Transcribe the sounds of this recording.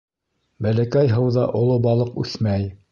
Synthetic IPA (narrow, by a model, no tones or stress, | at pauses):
bælækæjɦɤwðɑʔŏlˠobɑlˠɤqʉ̰θmæj